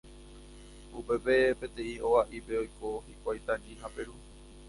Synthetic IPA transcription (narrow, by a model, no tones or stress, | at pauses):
upe̞pe̞pẽ̞t̪ẽ̞ĩowaʔipe̞ojko̞hikʷajt̪ãɲĩɦape̞ɾu